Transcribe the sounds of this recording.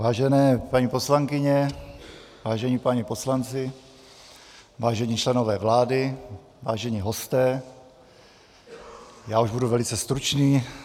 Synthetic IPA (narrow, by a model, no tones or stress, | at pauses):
vaːʒɛnɛːpaɲiːpo̞slaŋkɪɲɛ | vaːʒɛɲipaɲiposlant͡sɪ | vaːʒɛɲiːt͡ʃlɛnovɛːvlaːdɪ | vaːʒɛɲiːɦo̞st̪ɛː | jaːuʒbuduvɛlɪt͡sɛst̪ɾut͡ʃniː